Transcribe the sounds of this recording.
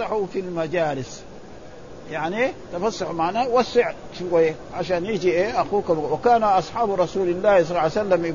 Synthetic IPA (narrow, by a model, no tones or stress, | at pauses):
ɑħufilmad͡ʒaːlɪs | jaʕnit̪afɑsˤːɑħmaʕnawasːɪʕ | ʃuwajːa | ʕaʃ̬aːnjid͡ʒiʔeʔaxuːkamwakaːnaʔɑsˤħɑːbɾˤɑsuːlalːaːhs̬ˤɑlːɑsalːamj